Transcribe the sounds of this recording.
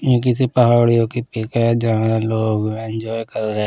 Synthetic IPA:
jẽk̬ɪsipɐɦaːɽijõkipeːkɛd͡ʒãːeloːɡɪ̃nd͡ʒɔːjkɐɾɾɛɦe

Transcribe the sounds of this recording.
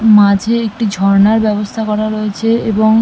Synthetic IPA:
mad͡ʑʱeek̚ʈid͡ʑʱɔɾnaɾbɛbost̪ʰakɔɾaɾoet͡ɕʰeeboŋ

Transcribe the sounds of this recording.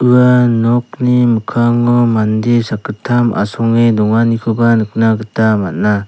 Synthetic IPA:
ɯanɔk̚nimɯkʰaŋɔmandisakɯtʰːama̰sɔŋedɔŋanikʰɯbanɯk̚naɡɯtamat̚na

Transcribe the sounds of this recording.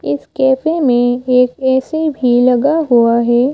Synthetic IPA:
ɪskɛːfemẽeːkɛːsebʱilɐɡaɦuaɦɛː

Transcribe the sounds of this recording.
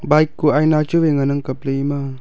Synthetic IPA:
bajkːuajnat͡ʃubeŋanəŋkəpleima

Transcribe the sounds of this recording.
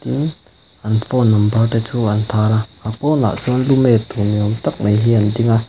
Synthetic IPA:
tin | ɐnfɔnɔmbɐrtɛt͡sʰuɐnt̪ʰaːɾaapɔna̰ʔt͡sunlumɛt̪umiɔmt̪ak̚mejɦiɐndiŋa

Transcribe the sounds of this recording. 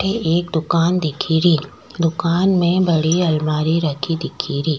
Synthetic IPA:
ʈʰeeːk̚d̪ʊkaːnd̪ɪkʰiɾiː | d̪ʊkaːnmẽbɐɽiɐlmaːɾiɾɐkʰid̪ɪkʰiɾiː

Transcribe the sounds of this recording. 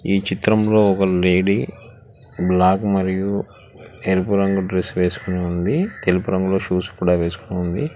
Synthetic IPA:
iːt͡ʃit̪ɾɐmlo̞ːɔkɐle̞ːɽi | blaːkmɐɾiju | eɾipuɾɐŋɡuɖɾesʋe̞ːsu̥kuneːund̪it̪elipuɾɐŋɡulo̞ːʃuːskuːɽaːʋe̞ːsu̥kuneund̪i

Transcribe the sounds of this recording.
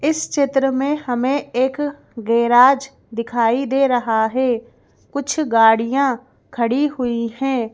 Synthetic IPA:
ɪst͡ʃɪt̪ɾəmẽhɐmẽeːk | ɡeːɾaːd͡ʒ | d̪ɪkʰaːid̪eːɾɐɦaɦɛː | kʊt͡ʃʰɡaːɽijã | kʰɐɽiɦʊiɦɛ̃ː

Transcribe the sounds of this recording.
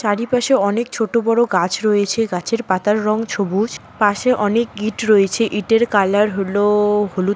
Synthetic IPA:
ʃaɾipaʃeɔnek̚t͡ɕʰoʈobɔɽoɡat͡ɕʰɾojet͡ɕʰeɡat͡ɕʰeɾpat̪aɾːɔŋt͡ɕʰobud͡ʑ | paʃeʔɔnek̚ɡiʈɾoet͡ɕʰeʔiʈeɾkalaɾɦoloholu

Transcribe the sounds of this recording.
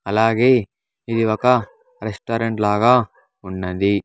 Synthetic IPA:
ɐlaːɡeː | id̪iʋɐkɐ | ɾesʈoːɾeɳʈlaːɡɐ | unːɐd̪i

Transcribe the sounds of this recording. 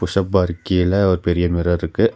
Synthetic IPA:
pʊʂɐbaːɾkːɪjɪlɐʋɐɾpɛɾɪjɐmɪɾɐɾɾɯkːɯ

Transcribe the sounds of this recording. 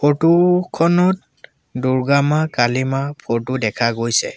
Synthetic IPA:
pʰotukʰɔnɔt̚ | duɹɡamakalimapʰotudɛkʰaɡojsɛ̰

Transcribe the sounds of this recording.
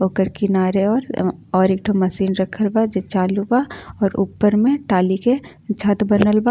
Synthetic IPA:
oːkəɾkɪnaːɾeɔːɾɔːɾek̚ʈʰomɐsiːnɾəkʰəlbad͡ʒet͡ʃaːlubaɔːɾṵːpːəɾmẽʈaːlike | t͡ʃʰɐt̪bənəlba

